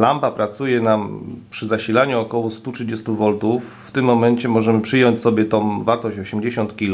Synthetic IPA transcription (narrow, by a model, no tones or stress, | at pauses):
lampapɾat̪sujɛnampʂɘzaɕilaɲuɔkɔwɔst̪utʂɘd͡ʑɛst̪uvɔlt̪ufːt̪ɘmːɔmɛɲt͡ɕɛmɔʐɛmɘpʂɘjɔɲt͡ɕsɔbʲjɛt̪ɔ̃vaɾt̪ɔɕt͡ɕɔɕɛmd͡ʑeɕɔnt̪kʲil